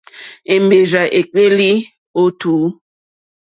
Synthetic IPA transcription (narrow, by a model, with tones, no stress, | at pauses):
e˨mbe˨za˨ʔe˨k͡pe˦li˦ | o˦tʰuː˨˦